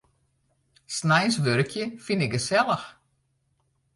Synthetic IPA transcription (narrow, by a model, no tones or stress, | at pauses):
snajnsʋøɾkjəfinɪkəsɛlˠəx